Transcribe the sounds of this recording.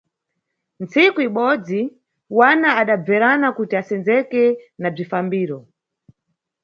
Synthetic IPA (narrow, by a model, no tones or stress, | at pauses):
nt͡sikuiɓɔd͡zi | wanaaɗab͡vɛɾanakutiasɛnd͡zɛkɛnab͡ʐifambiːɾɔ